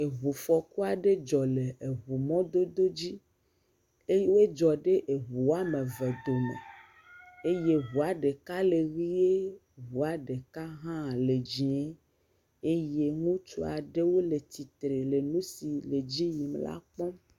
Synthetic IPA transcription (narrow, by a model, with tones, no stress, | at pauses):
e˨ɦu˨fɔ˨ku˦a˨ɖe˦d͡ʒɔ˨le˨e˨ɦu˨mɔ̃˦d̪o˦d̪o˦d͡ʑi˦ | e˦je˦wo˦e˦d͡ʒɔ˨ɖe˦ʔe˨ɦu˨˦a˦mẽ˨ve˨d̪o˨mḛ̃˨ | e˦je˦ɦu˨a˨ɖe˨ka˦le˨ɣi˦e˦ | βu˨a˨ɖe˨ka˦ɦã˦˨le˨d͡ʑĩ˨e˦ | e˦je˦ŋũ˦t͡ʃo˦a˨ɖe˦wo˦le˨t̪i˨t̪ɾe˨le˨nũ˦si˨le˨d͡ʑi˦ɲĩ˨m˦la̰˦k͡pɔ˦